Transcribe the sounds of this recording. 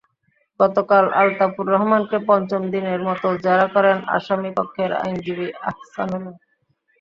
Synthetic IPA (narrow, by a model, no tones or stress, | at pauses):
ɡ̥ɔt̪okalʔalt̪apuɾːɔɦmankepɔnt͡ɕomd̪ineɾmɔt̪od͡ʑaɾakɔɾena̰ʃamipokʰːeɾa̰jnd͡ʑibia̰hsanula